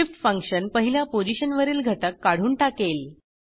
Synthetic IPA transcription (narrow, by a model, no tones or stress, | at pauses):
ifʈfəŋkɕənpəɦiljapod͡ʑiɕənʋəɾiːlɡʱəʈəkːaɽ̤uːnʈakel